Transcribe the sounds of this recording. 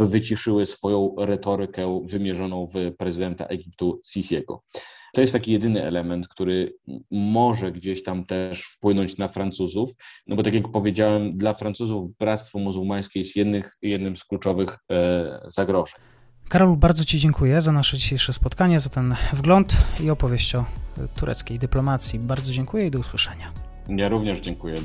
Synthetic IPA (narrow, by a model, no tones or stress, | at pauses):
bɘvɘt͡ɕiʂɘwɘsfɔjɔ̃w̃ɾɛt̪ɔɾɘkɛvɘmʲjɛʐɔnɔ̃w̃vpɾɛzɨd̪ɛnt̪a̰ʔɛɡʲip̚t̪usʲisʲjɛɡɔ̰t̪ɔjɛst̪ːakʲijɛd̪ɘnɘʔɛ̰lɛmɛnt̪kt̪uɾɘmɔʐɛɡd͡ʑeɕt̪amt̪ɛʂfpwɘnɔɲt͡ɕnafɾant̪suzufnʔɔbɔt̪akʲjakpɔvʲjed͡ʑawɛmd̪lafɾansuzuvbɾat̪st̪fɔmuzuwmaj̃skʲɛjɛst̪jɛd̪nɘxjɛd̪nɘmsklut͡ʂɔvɘx | z̥aɡɾɔʐɛɲ | kaɾɔlbaɾd̪zɔt͡ɕid͡ʑɛŋkʰujɛzanaʂɛd͡ʑiɕejʂɛspɔt̪̚kaɲɛzat̪ɛnvɡlɔnt̪iɔpɔvʲjeɕt͡ɕɔt̪uɾɛ̰t̪skʲejd̪ɘplɔmat̪sʲjibaɾd̪zɔd͡ʑɛŋkujɛid̪ɔuswɘʂɛɲa | jaɾuvɲɛʐd͡ʑɛŋkujɛ